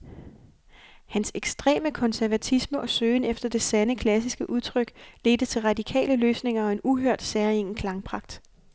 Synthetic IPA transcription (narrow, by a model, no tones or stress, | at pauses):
hænseɡ̥sd̥ʁḛːməkʰɒ̽nsæɐʋæt͡sʰisməʔɒ̽søːnefd̥ɐd̥e̝sænəkʰlæs̬isɡ̥əʔuð̞ˠt͡sʰʁœɡ̥le̝d̥ət͡sʰe̝lʁɑ̈d̥ikʰɛ̰ːləløːsne̝ŋɐɒ̽e̝nuɦøɐ̰d̥sæɐie̝ŋ̰n̩kʰlɑ̈ŋpʰʁɑ̈ɡ̥̚d̥